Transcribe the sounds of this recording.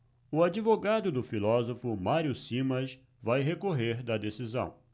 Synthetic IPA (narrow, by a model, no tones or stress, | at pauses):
ʊad͡ʒivoɡad̪ʊd̪ʊfilɔzofʊmaɾjʊsĩmɐs | vajɦekoɦeɾd̪ɐd̪esizɐ̰̃w̃